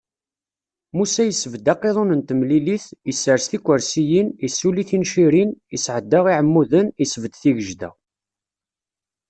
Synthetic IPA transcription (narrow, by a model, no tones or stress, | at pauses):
musæjəsːəvd̪ɑqːeðˤonənt̪əmliliθjəsːəɾst̪ikʷːəɾsijinisːuliθinʃiɾinisʕəd̪ːəʁiʕəmːuðənisəvəd̪θiʝəʒd̪æ̰